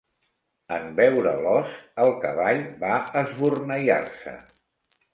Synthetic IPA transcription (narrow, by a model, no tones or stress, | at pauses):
əmbɛwɾəlɔsəlˠkəβaʎbaəzβurnəʎa̰rsə̰